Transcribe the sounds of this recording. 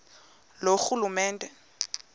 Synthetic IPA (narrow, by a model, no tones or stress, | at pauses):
loxulumɛːndʼɛ